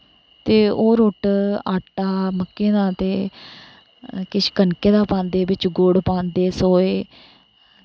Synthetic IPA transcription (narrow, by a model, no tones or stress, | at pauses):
t̪eːoːɾoːʈaːʈːaːməkːẽːd̪aːt̪eː | kɪʃkənkeːd̪aːpãːnd̪eːbɪt͡ʃɡoːɽpãːnd̪eːsoːeː